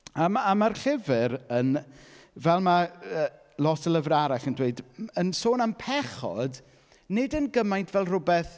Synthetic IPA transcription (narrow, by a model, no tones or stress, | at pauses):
amamarɬɪvɪɾən | vɛlˠmaəː | lˠɔtʰəlˠəvraɾaɬəndweɨdənsoːnampʰɛχɔ̰d | nɪdənɡəmajntʰvɛlˠrʊbɛθ